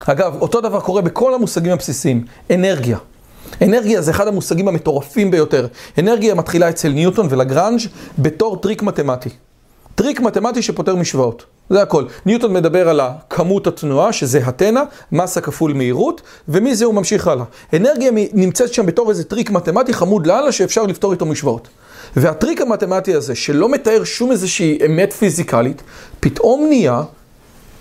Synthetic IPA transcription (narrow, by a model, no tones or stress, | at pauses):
haɡavo̞to̞davaʁko̞ʁe̞bekʰo̞lhamusaɡimapsisim | e̞ne̞ʁɡija | e̞ne̞ʁɡijazeːχadhamusaɡimhame̞to̞ʁafimbe̞jo̞te̞ʁe̞ne̞ʁɡijamat̪χilae̞t͡se̞lnjuto̞nve̞laɡʁand͡ʒbe̞to̞ʁtʁikmate̞mati | tʁikmate̞matiʃe̞po̞te̞ʁmiʃvaot | zeako̞lnjuto̞nme̞dabe̞ʁalakʰamuthatnuaʃe̞ze̞ɦate̞namasakafulmeiʁut | ve̞mizeumamʃiχala | ene̞ʁɡijanimt͡setʃambeto̞ʁejzetʁikmate̞matiχamudlalaʃeːfʃaʁlifto̞ito̞miʃvao̞t | veatʁikamate̞matiaze̞ʃe̞lo̞me̞tae̞ʁʃumezeʃiːʔeme̞tfizikalitpitʔo̞mnia